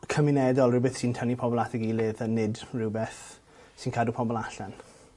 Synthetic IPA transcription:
kʰəmɪnɛdɔlˠrɪwbəθsiːntʰənipʰɔbɔlˠatʰɛɡilɪðənːɪdrɪwbɛθ | sinkʰadupʰɔbɔlˠaɬan

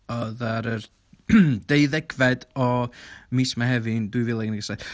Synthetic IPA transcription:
ɔðaɾər | d̥ejðɛɡvɛdɔmiːsmahɦɛvɨndwɨvɪlˠaɡnɡəsad

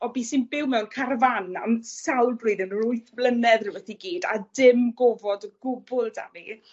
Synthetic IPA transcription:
ɔbiːsɪnbɪwmɛwnkʰarvana̰msawlˠbriːdənrʊɨθblˠənɛðrɪwɛθiɡiːda̰dɪmɡɔvɔdəɡʊbʊlˠda̰mi

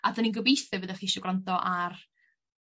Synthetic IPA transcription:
adaninɡəbisvɛvəðɛχiɪʃɔɡrantɔʔar

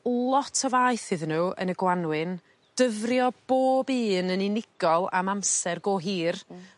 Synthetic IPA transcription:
lˠɔtʰɔvaɨθɨðnuːʔə̰nəɡwanwɪn | d̥əvrjɔb̥oːbiːnənɪnɪɡ̥ɔlˠa̰mamsɛrɡoːɦiːr

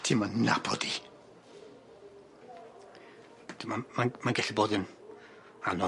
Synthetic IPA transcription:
tʰimanna̰bɔ̰di | d̥imamamanɡɛɬiboːdɨn | anɔ

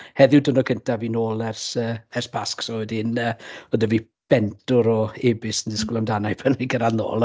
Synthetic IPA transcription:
hɛðɪwdənɔkʰəntʰavinoːlˠɛrsəːɛrspʰasksɔɛdɪnəːɔdəvi | b̥ɛntʊɾɔebɪsəndɪskʊlamdanajpʰəniɡəɾanno̰ːlˠ

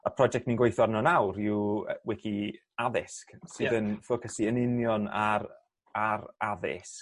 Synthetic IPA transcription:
əpʰrɔd͡ʒɛk̚tminɡwejθɔrnɔnawɾiuwwɛkʰi | aðɪsksɨðənfokʰəsiənɪnjɔna̰ɾ | aɾaðɪ̰sk

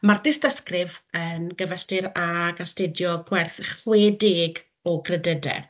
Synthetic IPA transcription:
mardɪsdəskrɪvənɡəvəstɪɾaɡastedjɔɡ̥wɛrθχweːdɪɡ | ɔɡrədədɛ̰

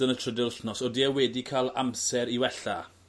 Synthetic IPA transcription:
ənətʰr̥ədɪlɬnɔsɔdiɛwɛdikʰalˠa̰msɛɾiwɛɬa̰

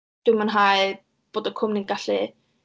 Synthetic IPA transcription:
d̥ɪmanɦaj | b̥oːdəkʰʊmniɡaɬi

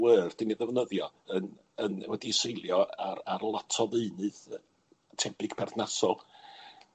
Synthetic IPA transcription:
wəːrd̥ɪniðɛvnəðjɔ | ən | ənwɛdisejlˠjɔararlˠatʰɔðɨɨnɨð | tʰɛbɨɡ̥pʰɛrθnasɔlˠ

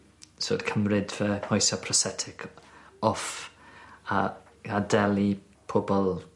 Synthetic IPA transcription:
so̰d̥kʰəmrɪdvəhɔjsɔpʰrɔsɛtʰɪkʰɔf | a | adɛlˠi | pʰobɔlˠ

